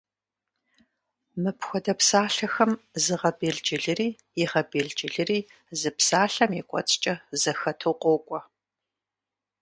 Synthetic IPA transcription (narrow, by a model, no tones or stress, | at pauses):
mɨpxʷɔdɐpsaːɬɐxɐmzɨʁɐbeːɮd͡ʒʼɪɮɨriː | jɪʁɐbeːɮd͡ʒʼɪɮɨriː | zɨpsaːɬɐmikʷʼɔ̰t͡sʼt͡ʃʼɐzɐxɐtʰoqʷʼoːkʷʼɔ